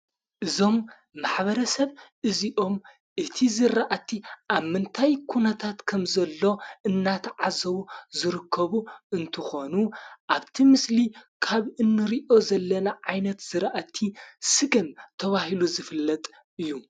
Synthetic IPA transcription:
ʔɨzo̞mː | aħβɐɾɐsɐβʔɨziʔo̞m | ʔɨt̪ʰizɨɾaʔat̪ʰiʔaβmɨnt̪ʰajkʰunɐt̪ʰat̪kʰɐmzɐlːo̞ɨnːat̪ʰʕazɐβuzɨɾɨkʰːɐβuɨnt̪ʰɨxo̞nuʔaβt̪ʰimɨslikʰaβɨnːɨɾiʔo̞zɐlːɐnaʕajnɐt̪z̥ɨɾaʔat̪ʰːisɨɡɐmt̪ʰɐβahiluzɨfɨlːɐt̪ʼ | ɨjːu

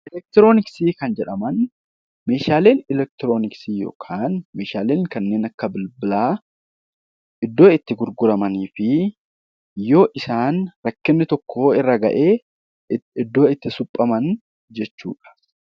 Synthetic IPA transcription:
ʔɪlɛk̚t̪ɪɾo̞ːnɪksiːkɐnd͡ʒɛᶑɐmɐn | me̞ːʃaːle̞ːnɪlɛk̚t̪ɪɾo̞ːnɪksiːjo̰ːkʰaːnme̞ːʃaːleːŋkɐnːe̞ːnɐkːɐbɪlbɪlaː | ʔɪd̪ːo̞ːɪt̪ːɪɡʊɾɡʊɾɐmɐniːfɪ | jo̞ːʔɪsaːnɾɐkːɪnːɪt̪ɔkʰːo̞ːɪrːɐɡɐ̰ʔeː | ɪd̪ːo̞ːɪt̪ːɪsʊpʼːɐmɐn | d͡ʒɛt͡ʃːṵːᶑɐ̥

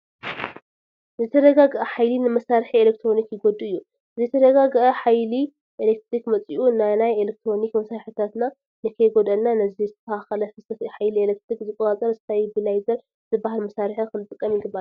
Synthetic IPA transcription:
zɨt̪ʰɐd̪ɐɡaɡʔɐħajlinɨmɐsaɾħielek̚t̪ʰɾo̞nikjɪɡod̪uɨjːu | zɨt̪ʰɐd̪ɐɡaɡʔɐħajli | ʔelek̚t̪ʰɾikmɐt͡sʼiʔunanajelek̚t̪ʰɾo̞nikmɐsaɾħit̪ʰat̪na | nɨkʰɐjɡod̪ɐlnanɐzizɨt̪ʰɐaxɐlɐfɨsɐt̪iħajlielek̚t̪ʰɾikzɨkʼɐtat͡sʼɐɾsɨ̥t̪ʰajbilajzɐɾ | zɨbahalmɐsaɾħikɨnɨt̪ʼɨkʼːɐmjɪɡɨbaɾ

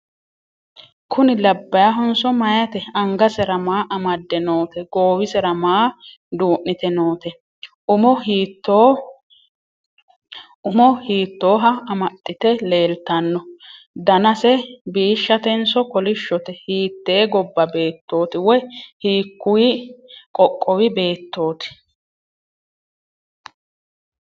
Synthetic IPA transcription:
kʰʊnɪlɐbːɐjɐɦɔnsɔmɐjɐt̪ɛɐŋɡɐsɛɾɐmaːʔɐmɐd̪ːɛnoːt̪ɛɡoːwɪsɛɾɐmaː | d̪uːʔːɪt̪ɛnoːt̪ɛ | ʊmɔhiːt̪ːoː | ʊmɔhiːt̪ːo̞ːɦɐɐmɐt̪ʼːɪt̪ɛle̞ːlt̪ːɐnːɔ | d̪ɐnɐsɛbiːʃːɐt̪ɛnsɔkɔlɪʃːɔt̪ɛhiːt̪ːe̞ːɡɔbːɐbe̞ːt̪ːo̞ːt̪ɪwɛhiːkːʊjɪkʼɔkʼːɔwɪbe̞ːt̪ːo̞ːt̪ɪ̥

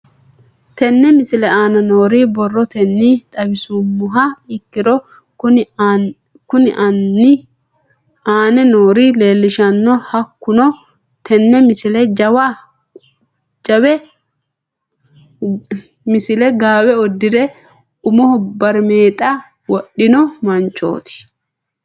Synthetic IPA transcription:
t̪ɛnːɛmɪsɪlɛaːnɐnoːɾibɔrːɔt̪ɛnːit̪ʼɐbɪsʊmːʊɦɐɪkːɪd̪ɔ | ʊ | kʊnɪʔnːɪ | aːnɛnoːɾile̞ːlːɪʃɐnːɔhɐkːʊnɔ | t̪ʰɛnːɛmɪsɪlɛd͡ʒɐwa | d͡ʒɐwɛ | mɪsɪlɛɡaːwɛɔd̪ːɪd̪ɛ | ʊmɔhɔbɐɾme̞ːt̪ʼːa | wɔɗːɪnɔmɐnt͡ʃːo̰ːt̪ɪ̥

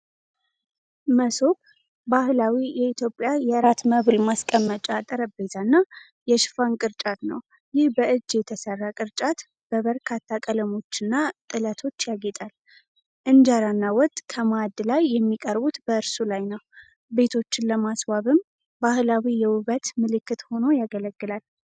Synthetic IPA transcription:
məsob | bahlawijɛit̪ʰjo̞pʼːjajɛɾat̪məβlmaskʼəmːət͡ʃʼat̪ʼəɾəbezanːa | jɛʃɪ̥fankʼɨɾt͡ʃʼat̪nə̰w | jɪhbəʔɨd͡ʒːjɛt̪ʰəsərːakʼɨɾt͡ʃʼat̪ | b̥əβəɾkʰat̪ʰːakʼələmo̞t͡ʃːɨnːat̪ʼɨlət̪ʰo̞t͡ʃːjaɡet̪ʼal | ʔɨnd͡ʒaɾanːawɔt̪ʼkʰəmad̪lajːɛmːikʼəɾbut̪bəɨɾsulajnəw | be̞t̪ʰo̞t͡ʃːɪnləmaswaβɨm | bahlawijɛwʊβət̪mɨlɨkːɨt̪ho̞no̞jaɡələɡːɨlal

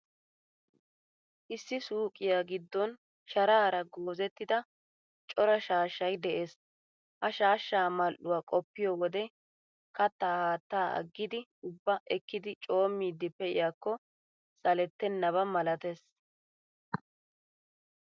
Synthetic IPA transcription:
ʔɪsːɪsuːkʼɪjaːɡɪd̪ːɔn | ʃɐɾaːɾɐɡo̞ːzɛt̪ːɪd̪ɐ | t͡ʃʼɔɾɐʃaːʃːɐjd̪ɛʔeːs | hɐʃaːʃːaːmɐlʔʊwaːkʼɔpːɪjɔwɔd̪ɛ | kɐt̪ːaːhaːt̪ːaːɐ̰ɡːɪd̪ɪʊbːɐʔɛkːɪd̪ɪt͡ʃʼo̞ːmːiːd̪ːɪpɛʔɪ̰jaːkːɔ | sɐlɛt̪ːɛnːɐβɐmɐlɐt̪es

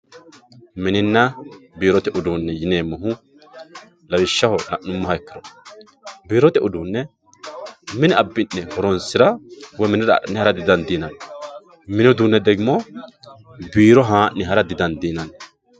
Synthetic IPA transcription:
mɪnɪnːɐbiːɾɔt̪ɛʔʊd̪uːnːɛjɪneːmːɐɦʊ | lɐwɪʃːɐhɔnɐʔːʊmːɐhɐɛkːɪɾɔ | biːɾɔt̪ɛʊd̪uːnːɛ | mɪnɪɐbːɪnːɛhɔɾɔnsɪɾɐwɔmɪnɪɾɐ̰nːɛhɐɾɐd̪ɪd̪ɐnd̪iːnɐn | mɪnɔd̪uːnːɛd̪ɛɡɪmɔ | biːɾɔɦãːnːɪɦɐɾɐd̪ɪd̪ɐnd̪iːnɐn

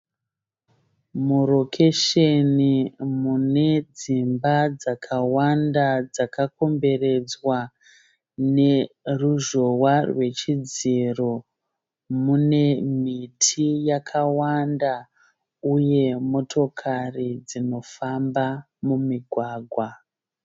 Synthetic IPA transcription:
muro̞kʰe̞ʃenimune̞d͡zimbad͡zakʰawandad͡zakako̞mbe̞re̞d͡zwa | ne̞ruʒo̞warwe̞t͡ʃid͡ziro | mune̞mitʰijakʰawanda | uje̞mo̞tʰo̞kʰarid͡zino̞famba | mumiɡʱwaːɡʱwa

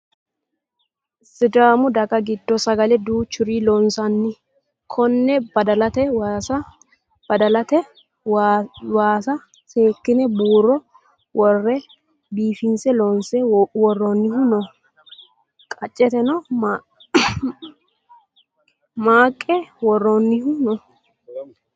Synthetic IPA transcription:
sɪd̪aːmʊd̪ɐɡɐɡɪd̪ːɔsɐɡɐlɛd̪uːt͡ʃːʊɾiːlɔnsɐnːɪ | kʰɔnːɛbɐd̪ɐlɐt̪ɛwaɐ | b̥ɐd̪ɐlɐt̪ɛ | waːsɐ | seːkːɪnɛbuːrɔ | wɔrːɛ | biːfɪnsɛloːnsɛwɔrːonːɪhʊnɔ | kʼɐt͡ʃʼːɛt̪ɛnɔm | maːkʼːɛwɔrːɔnːɪhʊnɔ

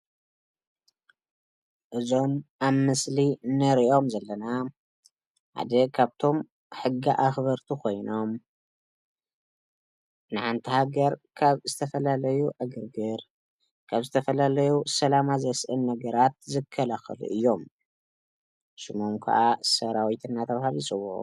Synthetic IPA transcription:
ʔɨzo̞maβːɨslinɐɾiʔo̞mzɐlːɐna | ħa̰d̪ɐkʰaβt̪ʰo̞m | ħɨɡːiʔaxβɐɾt̪ʰukʰo̞jno̞m | nɨʕant̪ʰihaɡɐɾkʰaβzɨt̪ʰɐfɐlalɐjuʔɐɡɨɾɡɨɾ | kʰaβzɨt̪ʰɐfɐlalɐjusɐlamazɐsʔɨnːɐɡɐɾat̪̚zɨkʰːɐlaxɐ̰lṵʔɨjːo̞m | ʃɨmomkʰa̰ʔasɐɾawit̪ʰɨnːat̪ʰɐβhalit͡sʼɨwuʔ

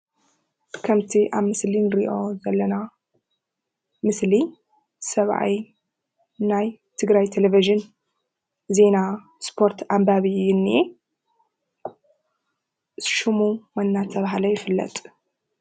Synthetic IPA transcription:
kʰɐmt̪ʰiʔaβmɨslinɨɾiʔo̞zɐlːɐna | mɨsli | sɐβʕa̰j | najt̪ʰɨɡɾajt̪ʰeleviʒɨn | ze̞na | spʰo̞ɾt̪ʰambaβɨjɪnːie | ʃumumanːat̪ʰːɐβaɦlɐjɪfɨlːɐ̰t̪ʼ

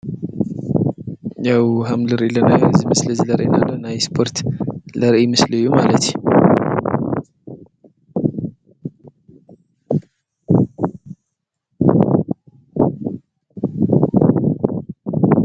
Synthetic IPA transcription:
jawɦamlɨɾelənazmɨsləzləɾʔḛnalːənajspʰo̞ɾt̪ləɾʔmɨslɨjːumalət̪

